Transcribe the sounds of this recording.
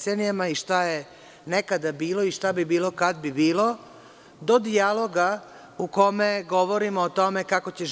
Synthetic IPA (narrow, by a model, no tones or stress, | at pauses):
senijamaiʃt̪aje | nekad̪abiːlˠo̞iʃt̪abibiːlo̞kad̪̚bibiːlo̞ | d̪o̞d̪ialˠoɡa | uko̞meɡo̞ʋo̞ɾimoːt̪o̞me̞kakot͡ɕe